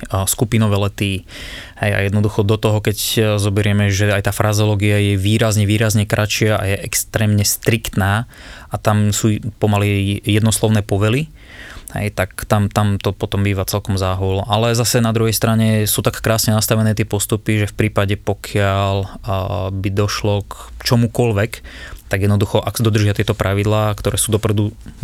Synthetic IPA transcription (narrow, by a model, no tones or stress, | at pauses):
skupinɔʋɛːlɛt̪i | hɛja̰jɛd̪nɔd̪uxɔd̪ɔt̪ɔɦɔkɛczɔbɛɾɪɛmɛʒɛajt̪aːfɾʔazɔlɔːɡiajɛʋiːɾazɲɛʋiːɾazɲɛkɾʔat͡ʃɪaʔa̰jɛʔɛkst̪ɾɛːmɲɛst̪ɾikt̪naː | ʔat̪amsuːpɔmalijɛd̪nɔslɔʊnɛːpɔʋɛli | hɛ̰jt̪akt̪amt̪amt̪ɔpɔt̪ɔmbiːʋat͡sɛlkɔmzaːɦulʔalɛzasɛnad̪ɾuɦɛjst̪ɾaɲɛsuːt̪akːɾaːsɲɛnast̪aʋɛnɛːt̪ɪɛpɔst̪upiʒɛfpɾiːpaɟɛpɔkʰɪal | bid̪ɔʃlɔkt͡ʃɔmukɔlʋɛkt̪aɡjɛd̪nɔd̪uxɔʔaksd̪ɔd̪r̩ʒɪat̪ɪɛt̪ɔpɾʔaʋid̪laːkt̪ɔɾɛːsuːd̪ɔpɾɛd̪u